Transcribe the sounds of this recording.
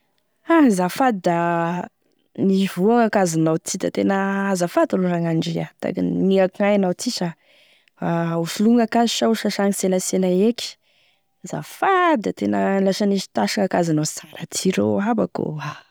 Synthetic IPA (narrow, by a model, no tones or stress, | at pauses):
azafad̪id̪a | nivuaŋakazinawt͡sid̪at̪enəazafad̪uluɾaŋaɳɖ͡ʐiat̪a̰ɡinniakajanawt͡sisa | auʃuluŋakaziʃauʃaʃaŋiseləselaeki̥ | zafad̪at̪enəlaʃaniʃi̥t̪aʃiŋakazinawsaŋɾat͡sʰiɾo̰aba̰ko̰a